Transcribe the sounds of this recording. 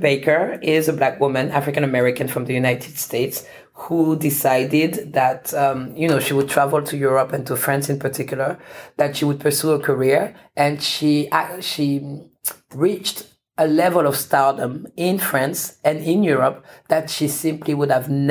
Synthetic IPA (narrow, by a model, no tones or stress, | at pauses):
beɪkə˞ɪzəblækwʊmɨ̃næafɹɪkɨ̃ñɨmɛɹɪkɨ̃nfɹʌ̃mðɨjʉnaɪɾʰɨd̥stʰeɪts | hudɪsaɪdɪd̪ðætʌmjɨnoʊʃiwɨd̚tʰɹ̥ævlˠtʰujʊɹɔpɨ̃ntʰufɹæ̃nsɨ̃npə˞tʰɪkjl̩ˠə˞ðɨtʃiwɨd̚pʰə˞suə˞kʰə˞iɹʔɨ̃nʃiʃi | ɹit͡ʃt | əlɛvəlˠʌv̥stadə̃mɪ̃nfɹæ̃nsɨ̃nɪ̃njʊɹɔp̚ðɨtʃisɪ̃mpʰliwʊdəvn